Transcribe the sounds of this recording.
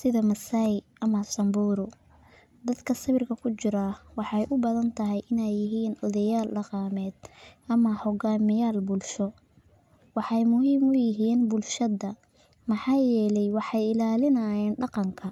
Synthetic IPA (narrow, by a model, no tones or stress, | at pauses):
sɪðɐmɐsajʔɐmɐsɐmbuːɾʊ | d̪ɐd̪kʰɐsɐβɪrkʰɐkʰʊt͡ʃɪɾɐwɑħɑjʔʊbɐðɐnt̪ʰɐɦɛjʔɪnɛjːɪɦiːnɔðɐjaːlɖɑqɑːmɛːd̪̥ʔɐmɐhɔɡaːmɪjaːlbʊlʃɔ | wɑħɑjmʊɦiːmʊjɪɦiːnbʊlʃɐðɐ | mɑħɑːjɛːlɛjwɑħɑjɪlaːlɪnɐjɛːnɖɑqɑŋkʰɐ